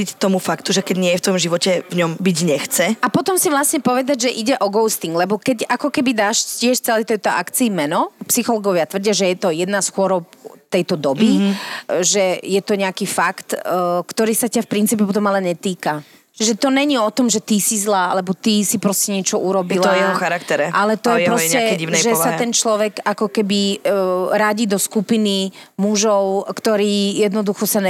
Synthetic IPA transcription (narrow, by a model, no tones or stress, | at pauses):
ict̪ɔmufakt̪uʒɛkɛɟɲɪɛjɛft̪ɔmʒiʋɔcɛvɲɔmbiɟɲɛxt͡sɛapɔt̪ɔmsiʋlasɲɛpɔʋɛd̪aɟʒɛʔiɟɛʔɔɡɔʊst̪iŋɡlɛbɔkɛcakɔkɛbid̪aːʃcɪɛʃt͡sɛlɛjt̪ɛjt̪ɔʔa̰kt͡siimɛnɔpsixɔlɔɡɔʋɪat̪ʋr̩ɟɪaʒɛjɛt̪ɔjɛd̪nasxʊɔɾɔp̚t̪ɛjt̪ɔd̪ɔbi | ʒɛjɛt̪ɔɲɛakifakt̪kt̪ɔɾiːsacafpɾint͡siːpɛp̬ɔt̪̬ɔmalɛɲɛt̪iːka | t͡ʃiʒɛt̪ɔɲɛɲiɔt̪ɔmʒɛt̪isizlaːa̰lɛbɔt̪isipɾɔscɛɲɪɛt͡ʃɔʔuɾɔbilɔɛɔxaɾakt̪ɛɾɛʔalɛt̪ɔjɛpɾɔscɛɛiʒɛssat̪ɛnt͡ʃlɔʋɛɡakɔkɛbi | ɾaɟiːd̪ɔskupinimuʒɔʊkt̪ɔɾiːjɛd̪nɔd̪uxɔsan